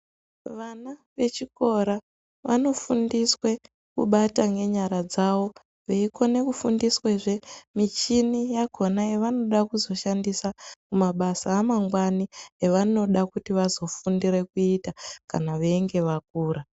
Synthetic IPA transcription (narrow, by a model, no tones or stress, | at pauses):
ʋanaʋe̞t͡ʃiko̞ɾa | ʋano̞fundiswe̞ | kṵɓataŋɡe̞ɲaɾad͡zao̞ | ʋe̞iko̞ne̞kufundisweʐe̞mit͡ʃinijako̞naeʋano̞ɗakuzo̞ʃandisakumaɓasaːmaŋɡwanieʋano̞ɗakutiʋazo̞fundiɾe̞kuitaka̰naʋeiŋɡe̞ʋak̚uːɾa